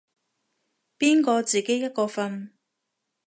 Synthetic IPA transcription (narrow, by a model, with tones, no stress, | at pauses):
piː˥nkɔː˧t͡siː˨ke˨˥jɐ˥t̚kɔː˧fɐ˧n